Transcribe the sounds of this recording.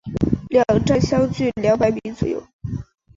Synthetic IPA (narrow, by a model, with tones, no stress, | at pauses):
ljɑ˨˩ŋʈ͡ʂa˥nɕjɑ˥ʊt͡ɕy˥˩ljɑ˧˥ʊpa˧˥ɪpi˧˥t͡swɔ˨˩jo̰˥˩˦ʊ